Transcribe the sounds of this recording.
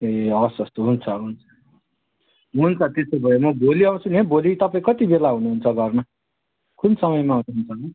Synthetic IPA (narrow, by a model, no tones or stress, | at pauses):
eʌsʌst̪oɦunt͡sʰʌɦunt͡sʰʌ̥ | ɦunt͡sʰʌt̪esobʱʌjemʌbʱoliʌw̃sunebolit̪ʌpaĩkʌt̪ibelaɦunuɦunt͡sʰʌɡʌrnʌ | kunsʌmʌjmaɦunuɦunt͡sʰʌ